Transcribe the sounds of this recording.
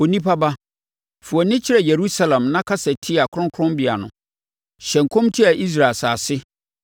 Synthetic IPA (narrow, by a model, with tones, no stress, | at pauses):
o˨nĩ˦pʰa˦ba˦ | fʊ˨ɔ˨nɪ̃˦t͡ɕʰɪ˦ɾɛ˨je˨ɾu˦sa˦lã˨mnã˦kʰa˦sɛ˨tʰi˦a˨kʰʊ˦ɾʊ̃˦ŋkʰʊ̃˦mbi˨a˨nʊ̃˨ | ɕɛ̃˨ŋ̩˨kʰɔ̃˦mtʰi˦a˨ʔi˦s̬ɾa˨lsaː˨sɪ˦